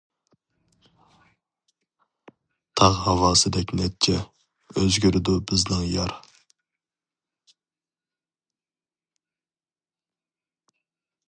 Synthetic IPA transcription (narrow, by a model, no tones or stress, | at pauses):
t̪ʰɑʁhɑwɑːsɨd̪ɛkʲnɛt̚t͡ʃʰɛ | øzɡʲyɾɪd̪ubɪznɪŋjɑɾ